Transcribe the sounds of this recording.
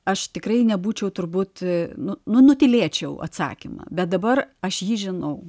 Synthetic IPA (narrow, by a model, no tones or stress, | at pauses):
ɐʃt̪ʲɪkrɐɪnʲɛbuːt͡ʃʲɛʊt̪ʊɾbuːt̪nʊnʊnʊt̪ʲɪlʲeːt͡ʃʲɛʊʔɐ̰t̪sɑ̰ːkʲimɐ̰ːbʲɛt̪̚d̪ɐbɐrɐʃjiːʒʲɪnɐʊ